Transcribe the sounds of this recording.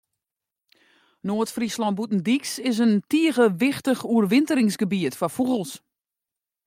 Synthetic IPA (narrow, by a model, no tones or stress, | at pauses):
noətfrislɔnbutn̩diksɪs̬əntiəɣəʋɪxtəxuərʋɪntəɾɪŋsɡəbiətfɔfuɣəlˠs